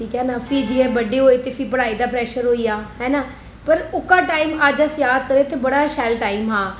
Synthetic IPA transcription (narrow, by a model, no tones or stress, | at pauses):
ʈʰiːkɦɛːnaːpʰiːd͡ʒiɦɛ̃ːbəɖeːɦoːeːt̪epʰiːpəɽaːiːd̪aːpɾɛːʃəɾɦoːiːaːɦɛːnaː | pəɾʊkːaːʈaːimad͡ʒəsjaːd̪kəɾeːt̪eːbəɽaːʃɛːlʈaːimɦaː